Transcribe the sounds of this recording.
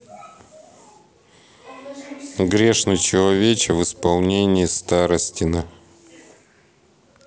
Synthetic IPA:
ɡɾʲe̞ʂnɨjt͡ɕɪlˠɐvʲet͡ɕɪvɨspɐlˠnʲenʲɪɪst̪aɾəsʲtʲɪnə

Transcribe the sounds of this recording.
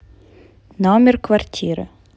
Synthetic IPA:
nɔmʲɛrkʋɐrtʲʰiɾɨ̰

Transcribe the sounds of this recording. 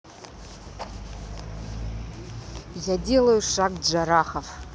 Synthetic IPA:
jadʲe̞lɐjuʂakd͡ʒaɾaχaf

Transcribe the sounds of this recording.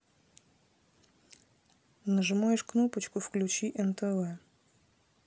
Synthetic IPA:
nəʐɨmajɪʂknopət͡ɕkʊfklʲʉt͡ɕiʔɛnt̪ɛvɛ

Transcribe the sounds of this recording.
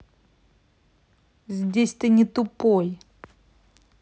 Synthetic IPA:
zʲdʲesʲt̪ɨnʲɪt̪ʊpoj

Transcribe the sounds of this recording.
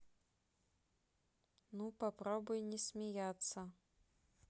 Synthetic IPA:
nupapɾɔbujnʲɛsʲmʲɛjat̪sːɐ

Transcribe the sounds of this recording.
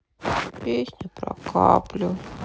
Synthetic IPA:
pʲesʲnʲʊpɾɐ̰kʰa̰plʲʊ

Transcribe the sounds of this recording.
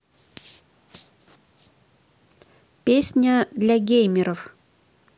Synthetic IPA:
pʲesʲnʲəd̪lʲɐɡʲejmʲɪɾəf

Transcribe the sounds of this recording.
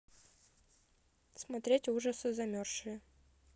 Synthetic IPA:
smɐt̪ɾʲetʲuʐəsɨzɐmʲorʂɨjə

